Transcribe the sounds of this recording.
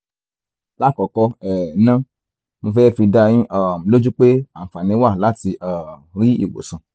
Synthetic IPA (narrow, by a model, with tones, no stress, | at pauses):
la˦˨kɔ˨kɔ˧ɛ˨nã˦ | mo˧fɛː˦fi˧da˧j̃ĩ˦ʔa˨m̩˨lo˦d͡ʒu˦k͡pe˦a˦˨fa˨nĩ˧˦wa˦˨la˦ti˧ʔa˨ɾi˦ḭ˦˨wo̰˨sã˨